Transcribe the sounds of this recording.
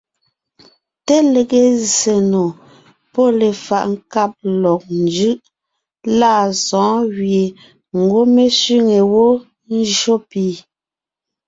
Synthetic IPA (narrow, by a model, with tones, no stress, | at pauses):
te˦le˨ɣe˦ze˨no˨ | pɔ˦le˨fa˨ʔŋ̩˦ka˦˨p̚lɔ˨k̚n˦d͡ʒɯ˦ʔ | la˦˨sɔ̃ː˨˦ɣje˨ | ŋ̩˨ɡwo˦me˦si˦ŋe˨wo˦ | n̩˦d͡ʒʒo˦pi˨